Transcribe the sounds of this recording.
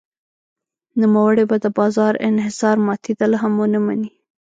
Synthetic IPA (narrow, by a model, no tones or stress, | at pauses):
numawəɽebad̪əbɑzɑɾɪ̰nhɪsɑɾmɑt̪ʰid̪alaɦamwənamani